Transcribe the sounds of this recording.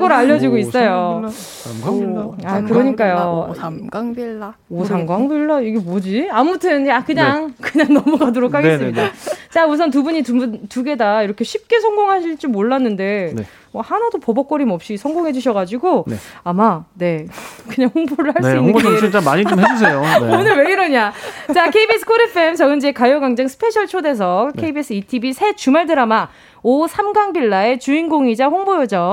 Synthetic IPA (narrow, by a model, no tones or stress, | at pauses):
ɡʌɾaʎːʌd͡ʑiɡois͈ʌjo | mɡaakɯɾʌɲik͈ajoɡaŋbi | osʰaŋɡwaŋbiɭːaiɡe̞mʌd͡ʑiamutʰɯnakɯɲaŋkɯɲaŋnʌmuɡadoɾokʰaɡesɨeɲiat͡ɕaus̬ʰʌntubuɲitumuntuɡe̞daiɾʌkʰe̞ɕʰip̚k͈e̞sʰʌŋɡoŋɦaɕʰiɭt͡ɕ͈imoɭːanːɯnde̞ne | mʌhanadopʌbʌk͈ʌɾimʌp̚ɕ͈isʰʌŋɡoŋɦe̞d͡ʑuɕʰʌɣad͡ʑiɡoeamane̞kɯɲaŋhoŋboɾɯɭhaɭs͈iioot͡ɕʰit͡ɕamaɲit͡ɕomɦed͡ʑus̬ʰe̞joonɯɭwe̞ɡɯɾʌɲat͡ɕakʰeibies͈ʰɯ̥kʰoɾepʰɯemt͡ɕʌɡɯnd͡ʑekajʌɡaŋd͡ʑaŋsʰɯ̥pʰe̞ɕʰʌɭt͡ɕʰode̞s̬ʰʌkʰeibies͈ʰɯitʰibisʰe̞t͡ɕumaɭdɯɾama | osʰamɡaŋbiɭːae̞t͡ɕuinɡoŋid͡ʑaɸoŋbojʌd͡ʑʌ